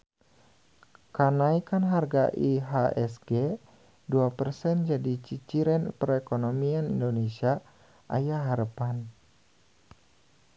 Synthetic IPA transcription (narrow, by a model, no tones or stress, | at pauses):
kanaikanɦarɡaʔiɦaʔɛsɡe | duapərsɛnd͡ʒadit͡ʃit͡ʃiɾɛnpərɛkonomianḭndonesia | ʔa̰jaɦaɾəpan